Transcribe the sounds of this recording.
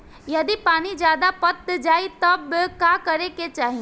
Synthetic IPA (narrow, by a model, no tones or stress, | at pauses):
jɐd̪ipaːnid͡ʒjaːd̪apɐt̪d͡ʒaːit̪ɐbkaːkɐɾeket͡ʃaːɦĩ